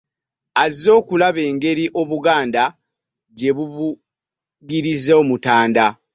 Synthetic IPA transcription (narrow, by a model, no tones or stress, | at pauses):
azio̞ːkulaβe̞ːŋɡe̞ɾiʔo̞βuɡaːnda | ɟe̞βuβu | ɡiɾizeo̞mutaːnda